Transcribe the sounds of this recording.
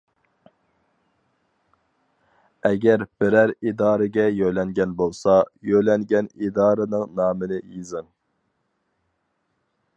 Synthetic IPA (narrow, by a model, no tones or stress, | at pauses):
ɛɡʲæɾb̥ɪɾæɾid̪ɑːɾɨɡʲɛjøjlɛŋɡʲɛnbolˠsɑjøjlɛŋɡʲɛnid̪ɑːɾɨnɨŋnɑːmɨnɪjizɨŋ